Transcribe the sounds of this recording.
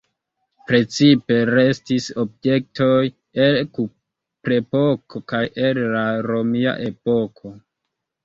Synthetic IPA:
pɾe̞t͡sipe̞ɾe̞stiso̞be̞k̚to̞j | elku | pɾe̞pokʰo̞kajʔe̞llaɾo̞mia̰ʔe̞po̞kʰo̞

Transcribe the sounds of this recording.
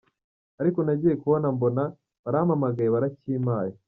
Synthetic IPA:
aɾiko̞naɟiːje̞kuβonambo̞na | βaɾaamamaɡajeβaɾaciːmaːjo

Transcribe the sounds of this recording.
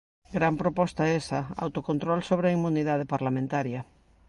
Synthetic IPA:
ɡɾampɾopɔst̪aesɐa̰wt̪okõnt̪ɾolsoβ̞ɾeaimuniðað̞epaɾlamẽnt̪aɾjɐ

